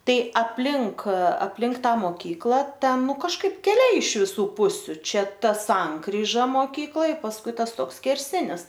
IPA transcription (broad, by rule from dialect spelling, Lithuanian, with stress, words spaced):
ˈtɐɪ ɐpʲˈlʲɪŋk ɐpʲˈlʲɪŋk ˈtɑː moːˈkʲiːklˠɐ ˈtʲɛn ˈnʊ kɐʃˈkɐɪp kʲɛˈlʲɛɪ ɪʃ ʋʲɪˈsuː ˈpʊsʲʊ ˈt͡ʃʲɛ ˈtɐ ˈsɐŋkrʲiːʒɐ moːˈkʲiːklˠoːj pɐsˈkʊɪ ˈtɐs ˈtoːks sʲkʲɛrʲˈsʲɪnʲɪs